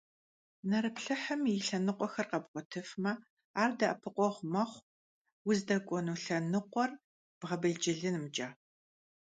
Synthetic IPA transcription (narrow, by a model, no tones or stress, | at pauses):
nɐɾɨpɬɨħɐmjɪɬɐnɨqʷʼɔxɐrqɐbʁʷɔtʰɨfmɐ | aːrdɐʔɐpʰɨqʷʼɔʁʷmɐχʷ | wʊzdɐkʷʼɔnuːɬɐnɨqʷɔr | b̥ʁɐbɨɮd͡ʒɪɮɨnmt͡ʃʼaː